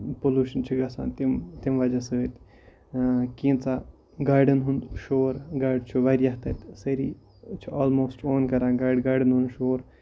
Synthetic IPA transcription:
poluːʃɐnt͡ʃʰiɡɐsa̰ːnt̪imt̪imʋɐd͡ʒasət̪ | kĩːnt͡sa | ɡaːɾɖənɦund̪ʃoːɾɡaːɾɖt͡ʃʰuʋaɾjaɦt̪ɐt̪sɐɾḭ | t͡ʃʰioːlmoːsʈʰoːnkɐɾãːɡaːɖɡaːɾɖɨnɦunʃoːɾ

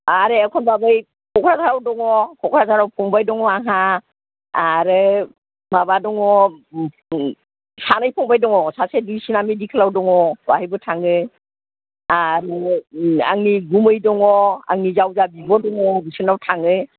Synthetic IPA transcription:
aɾeakʰɔnbabɯj | kʰɔkʰɾazaɾawdɔŋɔkʰɔkʰɾazaɾawpʰɔŋbajdɔŋɔaɦa | aɾɯ | mabadɔŋɔ | sanɯjpʰɔŋbajdɔŋɔsasedusinamidikʰɯlawdɔŋɔbahɯjbɔtʰaŋɯ | aɾɯ | a̰ŋniɡumɯjdɔŋɔa̰ŋnizawzabibɔdɔŋɔbisɯnawtʰaŋɯ

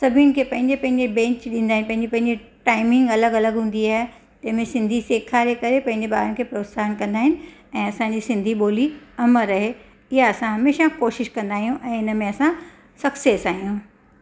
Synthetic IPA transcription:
sɐbʱiʊnɪkʰepɐ̃ɦɪ̃ɲd͡ʑepɐ̃ɦɪ̃ɲd͡ʑebɛ̃ːɲt͡ɕɗĩnd̪aːɦɪ̃nɪpɐ̃ɦɪ̃ɲd͡ʑepɐ̃ɦɪ̃ɲd͡ʑeʈaːɪmɪ̃ŋɡɐləɡɐləɡɦũːn̆d̪iaːɦe | t̪ɐ̃ɦɪ̃mẽsɪ̃nd̪ʱiseːkʰaːɾekɐɾepɐ̃ɦɪ̃ɲd͡ʑeɓaːɾənɪ̆kʰeːpɾoːt̪saːənkɐ̃nd̪aːɦɪnɪ̆ɛ̃ːɐsãɲd͡ʑisɪ̃nd̪ʱiɓoːliɐməɾɐɦe | ɪɦaɐsãɦɐmeːʃakoːʃɪʃkɐ̃nd̪aːɦijũʔɛ̃ːɪnə̆mẽɐsã | sɐksesaːɦijũː

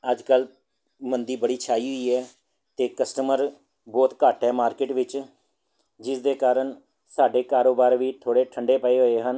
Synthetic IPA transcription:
əd͡ʒkəl | mənd̪iːbəɽiːt͡ʃʰaːiːɦʊiːɛː | t̪eːkəsʈəməɾ | bɔːt̪kaːʈɦɛːmaːɾkɪʈʋɪt͡ʃ | d͡ʒɪsd̪eːkaːɾəɳ | saːɖeːkaːɾoːbaːɾʋiːt̪ʰoːɽeːʈʰəɳɖeːpəeːɦoːeːɦən

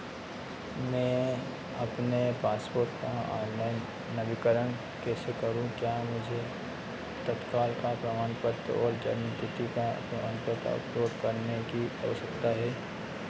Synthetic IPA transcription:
mɛ̃ː | ɐpnepaːspoːɾʈ̪kaɔ̰ːnlaɪnː | ɐbɪkəɾəɳ̃ | keːsekɐɾũkjaːmʊd͡ʒʱe | t̪ɐt̪kaːlkapɾɐmaːnpəɾt̪ɔːɾd͡ʒɐ̰nt̪ɪt̪ika̰pɾɐmaːnpəɾt̪ɐ̰pɾoːbkɐɾnekiɐ̰ʋəsəkt̪aɦɛː

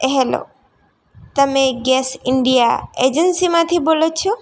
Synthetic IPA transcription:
eɦelo̰ | t̪əmeɡesiɳɖija̰ed͡ʒənsimat̪ʰibolot͡ʃʰɔ

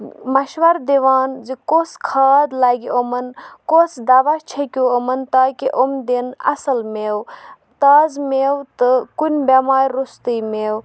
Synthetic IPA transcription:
mɐʃʋɐɾd̪iʋaːnd͡ʒikoskʰaːd̪laːɡiomɐnkosd̪aːʋat͡ʃʰekʲuomɐnt̪aːkiʔomd̪enɐ̰sɐlmew | t̪aːzmeːwt̪ɨkunʲbʲemaːɾʲɾust̪ɨjmeːw

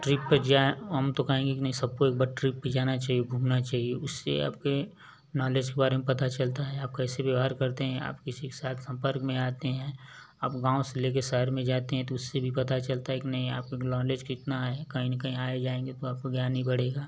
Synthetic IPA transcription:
ʈɾɪpːɐɾd͡ʒaɦɐmt̪okɐɦẽːŋɡekinɐɦĩsɐb̚koeːk̚bɐɾʈɾɪpːəd͡ʒaːnat͡ʃaːɦiebʱuːmnat͡ʃaːɦieʊsːḛa̰ːp̚ke | nɔːleːd͡ʒkebaːɾemẽpɐt̪at͡ʃɐlt̪aɦɛaːp̚kɛːseʋjəʋɦaɾkɐɾt̪eɦɛ̃a̰ːp̚kɪsike̥saːt̪ʰsɐ̃mpəɾkmẽaːt̪eɦɛ̃ː | aːpɡãːõseleːk̬eʃɐɦəɾmẽd͡ʒaːt̪eɦɛ̃t̪oʊsːebʱipɐt̪at͡ʃɐlt̪aɦɛkinɐɦĩa̰ːp̚kelɔːleːd͡ʒkɪt̪naɦekɐɦĩnɐkɐɦĩaːed͡ʒaːẽːŋɡet̪oaːp̚koɡjaːnɦĩbɐɽ̤eːɡaː

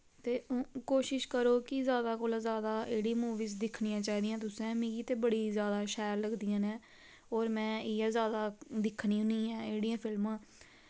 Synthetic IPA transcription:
t̪eːkoːʃɪʃkəɾoːkɪzjaːd̪aːkoːlãːzjaːd̪aːeːɽiːmuːʋiːzd̪ɪkʰnijãːt͡ʃaːiːd̪ijãːt̪ʊsɛ̃ːmĩːɡiːt̪eːbəɽiːzjaːd̪aːʃɛːɾləɡd̪ijãːnɛ̃ː | oːɾmɛ̃ːɪɛːzjaːd̪aːd̪ɪkʰniːʊnĩːɛːeːɽijãːpʰɪlmãː

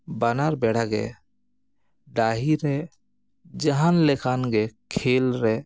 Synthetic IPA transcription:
banaɾbɛːɽ̤aɡḛ | ɖaːɦiɾɛ | d͡ʒəɦanlekʰaːnɡekʰeːlɾɛ

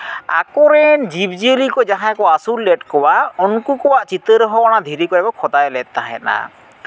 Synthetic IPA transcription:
a̰kɔɾɛnd͡ʒib̚d͡ʒiəlikɔd͡ʒaɦãkɔasulːɛʈkɔwaɔnkukɔwaʔt͡ʃit̪əɾɦɔwañad̪ʱiɾikɔɛbɔkʰɔd̪ajlɛt̪ːaɦɛ̰na̰

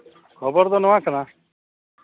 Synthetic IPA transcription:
kʰɔbɔɾd̪ɔnɔʋãkʰna

